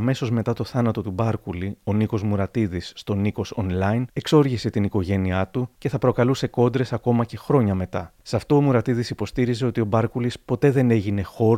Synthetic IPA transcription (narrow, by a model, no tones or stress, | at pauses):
me̞so̞zme̞t̪ɐt̪o̞θɐnɐt̪o̞t̪ubɐɾkulio̞niko̞zmuɾɐt̪iðisːt̪o̞niko̞so̞nlɐine̞kso̞ɾʝise̞t̪iniko̞ʝe̞niɐt̪uce̞θɐpɾo̞kɐluse̞ko̞nd̪ɾe̞sɐko̞mɐce̞xɾo̞ɲɐme̞t̪ɐsɐft̪o̞ːmuɾɐt̪iðisipo̞st̪iɾize̞o̞t̪io̞bɐɾkulispo̞t̪e̞ðe̞ne̞ʝine̞xo̞ɾ